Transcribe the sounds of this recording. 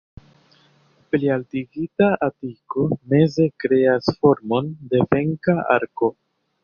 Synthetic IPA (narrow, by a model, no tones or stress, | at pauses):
plialtiɡitaʔatiko̞me̞ze̞kɾe̞asfo̞ɾmo̞nde̞ve̞ŋkaa̰ɾko̞